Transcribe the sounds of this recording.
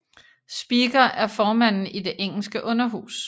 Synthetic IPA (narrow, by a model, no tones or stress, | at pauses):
sb̥iɡ̥ɐʔæɐfɒːmæn̰n̩id̥e̝ʔeŋ̰l̩sɡ̥əʔɔ̽nɐɦṵːs